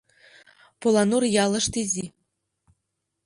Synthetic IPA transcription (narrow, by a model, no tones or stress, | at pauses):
polˠɑnurjɑlˠɤ̆ʂt̪izʲi